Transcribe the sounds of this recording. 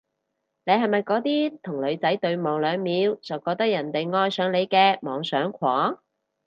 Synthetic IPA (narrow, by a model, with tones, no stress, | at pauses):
ne˨˧jɦɐ˨jmɐ˨jkɔː˨˥t̪iː˥t̪ʰʊ˨˩ŋlɵ˨˧ɥt͡sɐ˨˥jt̪ɵ˧ɥmɔː˨ŋlœː˨˧ŋmiː˨˧wt͡sɐ˨wkɔː˧k̚t̪ɐ˥k̚jɐ˨˩nt̪e˨jŋɔː˧jsœː˨˧ŋle˨˧jkɛː˧mɔː˨˧ŋsœː˨˥ŋkʷʰɔː˨˥